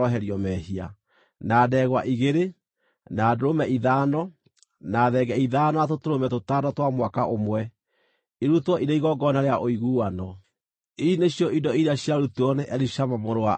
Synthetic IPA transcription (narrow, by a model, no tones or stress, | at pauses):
ɔɦɛɾiɔmɛhia̰ | naːdɛːɣwaʔiɣeɾe | naːdoɾomɛʔiðaːnɔ | naːðɛɡɛiðaːnɔatotoɾomɛtotaːdɔtwamwakaʔomwɛ | iɾutwɔʔiɾeiɣɔɡɔnaɾeaʔoiɣuwanɔ | ineɕjɔʔidɔiɾaɕjaɾutuɔnɛʔɛɾiʃamamoɾoa